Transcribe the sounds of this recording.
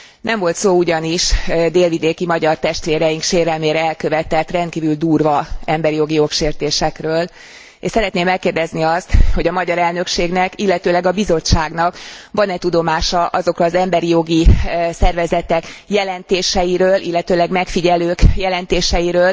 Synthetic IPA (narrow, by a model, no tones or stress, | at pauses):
nɛɱvo̞lt̪soːuɟɒniʃd̪eːlvid̪eːkimɒɟɒrt̪ɛʃt̪ʋeːɾɛjiŋkʃeːɾɛlmeːɾɛɛlkø̞vɛt̪ɛt̪ːrɛnt̪̚kiːvyld̪uːrvɒɛmbɛɾijo̞ɡijo̞kʃeːrt̪eːʃɛkrøːl | eʃsɛɾɛt̪neːmɛlkːeːrd̪ɛzniɒst̪ho̞ɟɒmɒɟɒɾɛlnø̞kʃeːɡnɛkilːɛt̪øːlɛɡɒbizo̞t͡ʃːaːɡnɒkvɒnɛt̪ud̪o̞maːʃɒʔɒzo̞krɒːzɛmbɛɾijo̞ɡisɛrvɛzɛt̪ɛkjɛlɛnt̪eːʃɛjiɾøːlʔilːɛt̪øːlɛɡmɛkfiɟɛløːkjɛlɛnt̪eːʃɛjiɾøːl